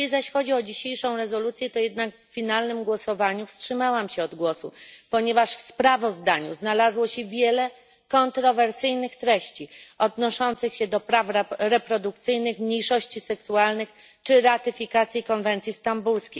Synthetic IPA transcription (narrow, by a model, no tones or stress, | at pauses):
izaɕxɔd͡ʑiɔd͡ʑiɕejʂɔ̃w̃ɾɛzɔlut̪sʲjɛt̪ɔjɛd̪nakfːʲinalnɘmɡwɔsɔvaɲufstʂɘmawamɕɛɔd̪ɡwɔsupɔɲɛvaʂfspɾavɔzd̪aɲṵznalazwɔɕɛvʲjɛlɛ | kɔnt̪ɾɔvɛɾsɘjnɘxt̪ɾɛɕt͡ɕiɔd̪nɔʂɔnt̪sɘxɕɛd̪ɔpɾafɾɾɛpɾɔd̪ukt̪sɘjnɘxmɲijʂɔɕt͡ɕisɛksualnɘx | t͡ʂɘɾat̪ɘfʲikat̪sʲjikɔnvɛnt̪sʲjist̪ambulskʲej